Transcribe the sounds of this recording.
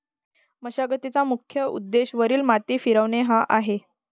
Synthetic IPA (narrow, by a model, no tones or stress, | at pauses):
məɕaɡət̪it͡samukʰjəṵd̪ːeɕʋəɾiːlmat̪iːfiɾəʋneɦaʔaɦe